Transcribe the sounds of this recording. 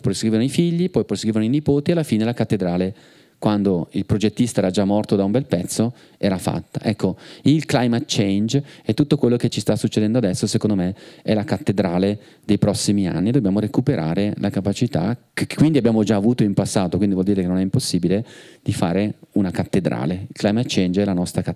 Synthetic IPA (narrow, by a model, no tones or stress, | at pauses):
pɾoskɾivenoifiʎːipɔjpɾoskɾivenoinipoːt̪ialːafiːnelakat̪ːed̪ɾaːle | kwand̪oilpɾod͡ʒet̪ːist̪aɛːɾad͡ʒamːɔrt̪od̪aumbɛlpɛt̪sːo | ɛːɾafa̰t̪ːa̰ʔɛkːoilklajmat̪̚t͡ʃejnd͡ʒɛt̪ːut̪ːokwelːoket͡ʃːist̪asːut͡ʃːed̪ɛnd̪oad̪ɛsːosekond̪omeɛlakat̪ːed̪ɾaːle | d̪ejpɾɔsːimia̰nːied̪objaːmoɾekupeɾʔa̰ːɾelʔakapat͡ʃit̪a̰kkːwind̪iabːjaːmod͡ʒaːvuːt̪oimpasːaːt̪okwind̪ivwɔld̪iːɾekenonɛimposːiːbiled̪̥ifa̰ːɾeunakat̪ːed̪ɾa̰ːleilklajmat̪t͡ʃend͡ʒɛlanɔst̪ɾak